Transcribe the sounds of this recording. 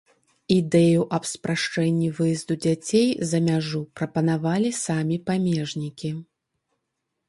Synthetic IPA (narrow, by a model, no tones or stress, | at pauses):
id̪ɛjuʔɐpspɾaʂt͡ʂɛnʲːivɨjɛzd̪ud͡zʲat͡sʲejzɐmʲaʐupɾɐpɐnavalʲisamʲipamʲɛʐnʲikʲi